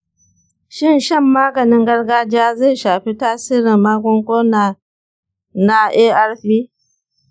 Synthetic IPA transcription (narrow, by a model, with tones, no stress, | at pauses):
ʃɪ˦˨nʃɐ˦˨mːaː˦ɡɐ˨nɪ˦ŋɡɐ˦rɡaː˦d͡ʒɪ˦aː˦ze˦˨ʃaː˨ɸi˦taː˦siː˦ɾɪ˨mːaː˦kʷʊ˦ŋkʷoː˦naː˨ | na˦ʔeː˦ʔa˦rɸiː˦